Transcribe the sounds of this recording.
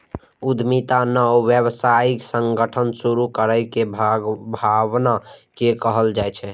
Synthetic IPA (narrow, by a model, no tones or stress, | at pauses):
ud̪ʱmit̪anəoʋjəbsaiksəŋɡəʈʰənsuɾukəɾəjkebʱaɡbʱaβnakekəɦəld͡ʒajt͡ʃʰɛ